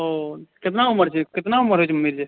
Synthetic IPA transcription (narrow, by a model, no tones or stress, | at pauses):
okɪt̪nauməɾt͡ʃʰekɪt̪nauməɾɦot͡ʃʰmiɾd͡ʒe